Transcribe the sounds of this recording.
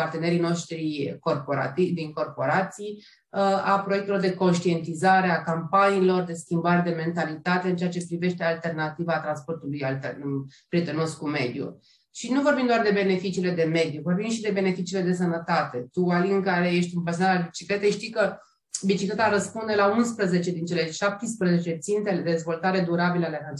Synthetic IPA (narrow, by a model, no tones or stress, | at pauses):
part̪e̞ne̞ɾino̞ʃt̪ɾiko̞rpoɾa̰t̪id̪iŋko̞rpo̞ɾat̪sij | əapɾo̞je̞k̚t̪elo̞rd̪e̞ko̞nʃt̪ie̞nt̪izaɾe̞akampaniːlo̞rd̪e̞skʲimbaɾed̪e̞me̞nt̪alit̪at̪e̞ɨnt͡ʃe̞at͡ʃe̞pɾive̞ʃt̪e̞alt̪e̞rnat̪ivat̪ɾanspo̞rt̪ulujalt̪epɾʲie̞t̪əno̞skume̞d̪jṵ | ʃinuvo̞rbimd̪oard̪e̞be̞ne̞fit͡ʃiːle̞d̪e̞me̞d̪juvo̞rbimʃid̪e̞be̞ne̞fit͡ʃiːle̞d̪e̞s̬ənət̪at̪e̞t̪ualiɨŋkaɾe̞je̞ʃt̪ʲumpəsonaɾalbit͡ʃiklet̪ejʃt̪ikə | bit͡ʃiklet̪aɾəspund̪e̞launspɾəze̞t͡ʃe̞d̪int͡ʃe̞le̞ʃap̚t̪ispɾəzet͡ʃe̞t̪sint̪eled̪d̪e̞zvo̞lt̪aɾe̞d̪uɾabiləalea